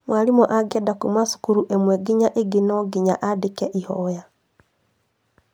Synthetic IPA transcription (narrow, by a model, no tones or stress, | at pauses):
mwalimɔʔaɡɛdakumasu̥kuɾuʔemwɛɡiɲaʔeɡinɔɡiɲaʔadekɛʔihɔja